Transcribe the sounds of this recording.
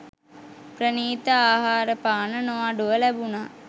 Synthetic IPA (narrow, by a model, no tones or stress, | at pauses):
pɾəniːt̪əaːɦaːɾəpaːnənoʋaɖuʋəlæbunaː